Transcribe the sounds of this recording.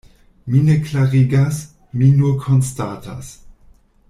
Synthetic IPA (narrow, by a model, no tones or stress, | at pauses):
mineklaʁiɡas | minukʰonstatʰa̰s